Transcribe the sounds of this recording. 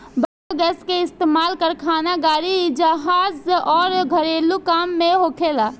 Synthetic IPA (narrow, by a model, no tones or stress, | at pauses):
bakoɡɛskeist̪emalkəɾkʰanaɡaɾid͡ʒəɦazɔːɾɡʱəɾelukamːeɦokʰela